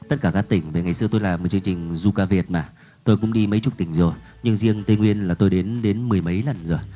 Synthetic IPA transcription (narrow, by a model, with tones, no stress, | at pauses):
t̪ə˦˥t̚kaː˧˩kaː˦˥k̚t̪ï˧˩ŋ̟va˨˩ŋa˨˩jsɨ˧ət̪o˧jlaː˨˩m̚˨˩t͡ɕɨ˧əŋt͡ɕï˨˩ŋ̟zu˧kaː˧vi˨˩ət̚maː˨˩ | t̪o˧jkʊ̰˧˥ŋ͡mɗi˧mə˨˦jt͡ɕʊ˨˧˩t̪ï˧˩ŋ̟zo˨˩j | ɲɨ˧ŋzi˧əŋt̪e˧ŋwi˧ənlaː˨˩t̪o˧jɗe˨˦nɗe˨˦nmɨ˨˩əjmə˨˦jlə˨˩nzo˨˩j